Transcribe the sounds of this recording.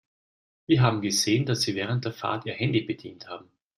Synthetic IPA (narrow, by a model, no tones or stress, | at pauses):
viːɐɦaːbm̩ɡəzeːənd̥asz̥iːvɛːʁ̞ənt̚d̥eːɐfa̰ɐtʔiːɐhɛndibədḭːnthaːbm̩